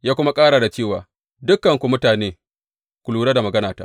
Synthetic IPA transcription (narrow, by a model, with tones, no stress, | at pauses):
jaː˦kʷʊ˦ma˦kʼaː˦ɽa˨da˨t͡ʃeː˦˨waː˨ | dʊ˦kːɐ˨ŋkʷu˨mʊ˦taː˨neː˦ | kʷʊ˨luː˦ɽaː˦da˨mɐ˨ɡɐ˦naː˨taː˦